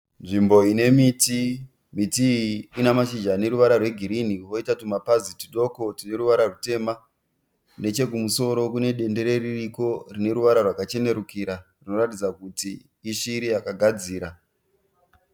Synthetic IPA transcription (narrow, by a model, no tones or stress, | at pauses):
nʐimbo̞ine̞miti | mitiːnamaʃid͡ʒane̞ɾuʋaɾarwe̞ɡʱiɾiniwo̞itatumapazitiɗo̞ko̞tine̞ɾuʋaɾarute̞ma | ne̞t͡ʃe̞kumuso̞ɾo̞kune̞ɗe̞nde̞ɾe̞ririko̞rine̞ɾuʋaɾarwakat͡ʃe̞ne̞ɾukiɾarino̞ɾatid͡zakutiː | ʃiɾijakaɡʱad͡ziːɾa